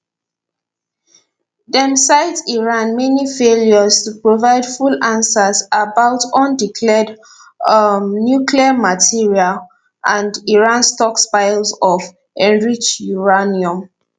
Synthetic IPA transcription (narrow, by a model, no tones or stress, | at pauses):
dɛ̃msaɪdiɹãnmɛnifeljɔztupɹovaɪd̥fulãnsazabaʊtɔ̃ndikʰlɛd | njukliamatʰiɹial | ʔãndiɹãnstɔkspaɪlsɔf | ɛ̃nɹit͡ʃuɹaniɔ̃m